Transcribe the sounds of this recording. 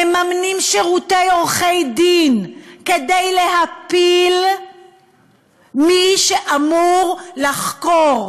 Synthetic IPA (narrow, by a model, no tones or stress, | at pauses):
emamnimʃeʁutejoʁχejd̪inkedejleɦapil | miʃeʔamuʁlaχkoʁ